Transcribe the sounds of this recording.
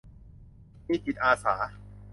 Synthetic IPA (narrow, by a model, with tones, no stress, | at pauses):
miː˧˩pi˨˩t̪̚ʔaː˧sa̰ː˩˦